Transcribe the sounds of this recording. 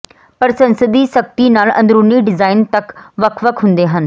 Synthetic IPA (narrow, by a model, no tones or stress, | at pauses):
pɐɾsɐ̃nsəd̪isək̚t̪inaːlɐ̰̃nd̪ɾuːniɖɪzaːɪnt̪ɐkʋɐkʰʋəkʰɦʊ̃nd̪eːɦən